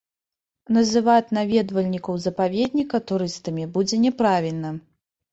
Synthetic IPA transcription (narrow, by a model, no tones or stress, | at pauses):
nɐzɨvat͡sʲnavʲɛd̪vɐlʲnʲikɐwzɐpavʲed̪ʲnʲikɐt̪uɾɨst̪ɐmʲibud͡zʲɛnʲɛpɾavʲilʲnɐ